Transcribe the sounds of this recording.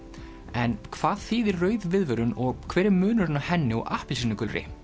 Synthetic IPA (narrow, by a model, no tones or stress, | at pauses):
ɛnkʰv̥aːðθiːðɪɾrœːɥðvɪðvœɾʏnɔɣkʰv̥ɛːɾɪmʏːnʏɾɪnahɛnːɪɔɣʔahpɪlsinːʏkʏlɾɪ̰